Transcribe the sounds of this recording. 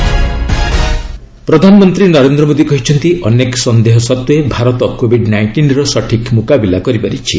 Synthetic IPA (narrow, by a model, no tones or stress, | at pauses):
pɾɔd̪ʱanɔmɔnt̪ɾinɔɾend̪ɾɔmod̪ikɔɦit͡ʃʰɔnt̪iʔɔneksɔnd̪eɦɔsɔt̪uebʱaɾɔt̪ɔkobʱiɖnajɳʈinɾɔsɔʈʰikmukabilakɔɾipaɾit͡ʃʰi